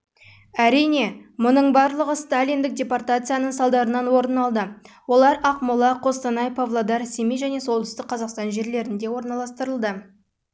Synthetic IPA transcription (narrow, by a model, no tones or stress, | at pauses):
æɾijne̞mʊnəɴbɑɾlˠəʁəst̪alʲind̪ɪk̚d̪ʲe̞port̪at̪sɨjanəɴsɑlˠd̪ɑɾənɑnwo̞ɾənɑlˠd̪ə | wo̞lˠɑɾɑqmʊlˠɑqʰo̞st̪ɑnɑjpʰovlˠod̪ɑɾsemijʒæne̞so̞lˠd̪əst̪ɪk̚qʰɑzɑqst̪ɑnʒe̞ɾle̞ɾɪnd̪e̞wo̞ɾnɑlˠɑst̪əɾəlˠd̪ə